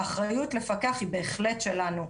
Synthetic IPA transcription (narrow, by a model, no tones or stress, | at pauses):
aχʁajutle̞fakeaχhibe̞ːχle̞tʃe̞lanu